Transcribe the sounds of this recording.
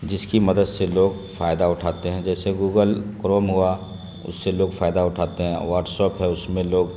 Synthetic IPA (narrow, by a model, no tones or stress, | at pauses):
d͡ʒɪskimɐd̪əd̪seloːɡ | faːjd̪aʊʈʰaːt̪eɦɛ̃d͡ʒɛːseɡuːɡəlkɾoːmɦʊa | ʊ̰sːeloːɡfaːjd̪aʊʈʰaːt̪eɦɛ̃ʋaːɾʈsɔːpɦɛ̃ʊsmẽloːɡ